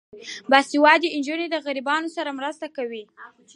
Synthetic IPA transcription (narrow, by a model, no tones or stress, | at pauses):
basiwɑd̪iɪnd͡ʒuned̪əɣaɾibɑnosaɾamɾəst̪akawi